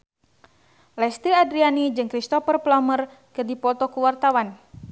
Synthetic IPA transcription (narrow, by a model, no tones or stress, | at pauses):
lɛst̪iadɾianid͡ʒɨŋkɾist̪ɔfərplamər | kɨrdipɔt̪ɔkuwart̪awan